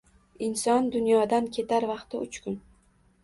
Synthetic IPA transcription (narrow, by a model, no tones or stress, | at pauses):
ɪnsɒnd̪ʊnjɒd̪ankʲʰe̞t̪ʰaɾvɑqt̪ɪʊt͡ʃkʰʊn